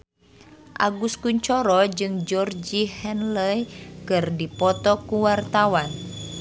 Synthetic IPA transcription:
ʔa̰ɡuskuɲt͡ʃɔɾɔd͡ʒɨŋd͡ʒɔrd͡ʒihɛnləjkɨrdipɔt̪ɔkuwart̪awan

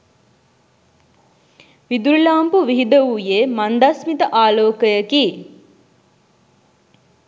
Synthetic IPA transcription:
ʋid̪uɾlaːmpuʋiɦid̪əʋujemand̪asmit̪əʔaːloːkəjəki

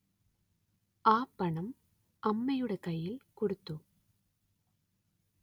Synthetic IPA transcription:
aːpːɐɳɐm | ʔɐmːɐjɯɽɐkɐjːɪlkɔɽɯt̪ːɯ

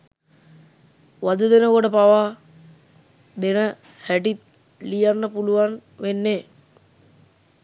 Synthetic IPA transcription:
ʋad̪ud̪enəkoʈəpaʋaː | d̪enə | hæʈit̪̚ | lijanːəpuluʋanʋenːeː

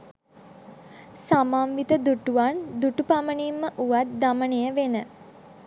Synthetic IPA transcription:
samamʋit̪əd̪uʈuʋand̪uʈupamənimːəʔuʋat̪̚d̪amənejəʋenə

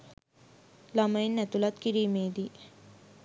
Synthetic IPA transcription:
lɐmɐjnːɛt̪ulat̪kiɾimeːd̪i

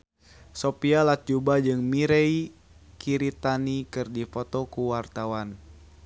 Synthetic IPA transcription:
sopialat̪̚d͡ʒubad͡ʒɨŋmiɾei | kiɾit̪anikɨrdifɔt̪ɔkuwart̪awan

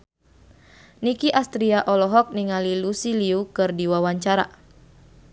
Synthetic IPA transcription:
nikiʔast̪ɾiaʔɔlɔɦɔk̚niŋalilusiliukɨrdiwawaɲt͡ʃaɾa̰

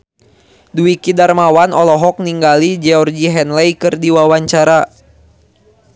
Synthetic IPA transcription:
duwikidarmawanɔlɔɦɔk̚niŋɡalid͡ʒɛɔrɡiɦɛnlɛjkɨrdiwawaɲt͡ʃaɾa

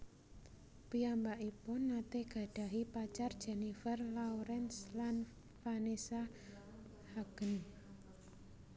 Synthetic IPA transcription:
piambaʔipʊnːat̪eɡ̥a̤ɖ̥a̤ɦipat͡ʃard̥ʒ̥ɛnifərlauɾɛnslan | fanesa | haɡ̥ən

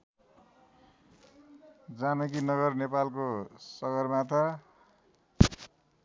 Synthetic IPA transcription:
d͡zamʌkinʌɡʌrnepalkosʌɡʌrmat̪ʰa

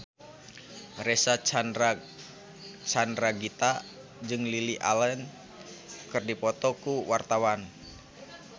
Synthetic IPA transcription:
rɛsat͡ʃ | t͡ʃanɾaɡit̪a | d͡ʒɨŋliliʔa̰lɛn | kɨrdipɔt̪ɔkuwart̪awan

